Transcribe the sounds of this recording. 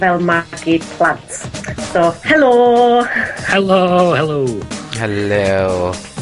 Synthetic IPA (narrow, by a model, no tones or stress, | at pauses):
vɛlˠmaɡɪd̥pʰlˠantsoːhɛloː | hɛlohɛloːhɛlo